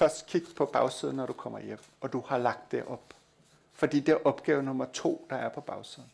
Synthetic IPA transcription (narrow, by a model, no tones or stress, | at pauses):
fɶɐsd̥̚kʰiɡ̥̚d̥pʰɒ̽b̥ɑ̈ʊsið̞ˠn̩ɒɾ̥ukʰɒ̽m̰ɐjem̰ɒ̽d̥uhɑ̈lɑ̈ɡ̥d̥ːeʔɒ̽b̥ | fɒ̽d̥ḭːd̥e̝æɐʔɒ̽b̥ɡ̥ɛːʊnɔ̽mɐt͡sʰo̝̰ːd̥ɑ̈æɐpʰɒ̽b̥ɑ̈ʊsið̞ˠn̩